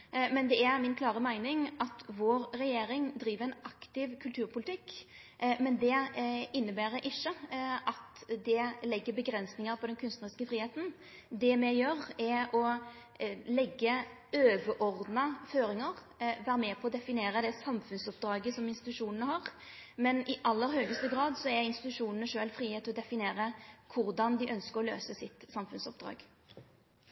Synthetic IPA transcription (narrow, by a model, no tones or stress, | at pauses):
mɛnd̪ɛæɾmɪnkʰlɑːɾəmæɪnɪŋʔɑt̪ʋoːɾɾɛjeːɾɪŋd̪ɾiːʋəæɪnʔɑkt̪ɪʋkʰʉlt̪ʰʉːɾpʰʊlɪt̪ɪkː | mɛnd̪ɛɪnːəbæːɾəʔɪçːəʔɑt̪d̪ɛlɛɡːəbəɡɾɛnsnɪŋəɾpʰɔd̪ɛnkʰʉnst̪nəɾɪskəfɾiːheːt̪n̩ | d̪ɛmɛjøɾɛɔ | lɛɡːə | øːʋəɾʔɔɾd̪nɑføːɾɪŋəʁ | ʋæːɾəmɛpʰɔɔd̪ɛfɪneːɾəd̪ɛsɑmfʉnsɔp̚d̪ɾɑːɡəsɔmɪnst̪ɪt̪ʉʂuːnənəhɑʁ | mɛnɪʔɑlːəɾhøːɡəst̪əɡɾɑːd̪sɔɛɾɪnst̪ɪt̪ʉʂuːnənəʂøːlfɾiːheːt̪ʰːɪlɔd̪ɛfɪneːɾəkʰʊɾd̪ɑnd̪ɪʔœnskəɾɔløːsəsɪt̪sɑmfʉnsɔp̚d̪ɾɑ̰ːɡ̥